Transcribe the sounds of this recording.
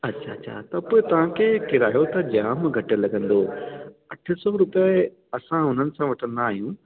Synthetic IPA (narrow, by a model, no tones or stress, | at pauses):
ɐtːɕʰa̰ɐɕʰa̰t̪ɐpoːɪt̪ɐʋ̤ãkʰeːkɪɾaːjot̪ɐd͡ʑaːmɡʱɐʈelɐɠə̃nd̪oːɐʈʰə̆sɔɾʊp | ɐsãɦʊn̤ənɪ̆sãʋɐʈʰən̆d̪ːɦijũ